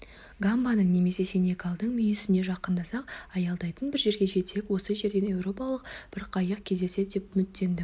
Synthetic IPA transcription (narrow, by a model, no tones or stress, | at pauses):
ɡambanəɴne̞me̞se̞senʲekalˠd̪əɴmʏjɪsɪne̞ʒɑqənd̪ɑsɑqɑjɑlˠd̪ɑjt̪ənbɪɾʒe̞ɾɡʲe̞ʒe̞t̪e̞kwo̞səʒe̞ɾd̪e̞ne̞wɾo̞pɑlˠəqb̥ɪɾqʰɑjəq̚kʲʰe̞zd̪e̞se̞d̪d̪e̞pmʏt̪ːe̞nd̪ɪ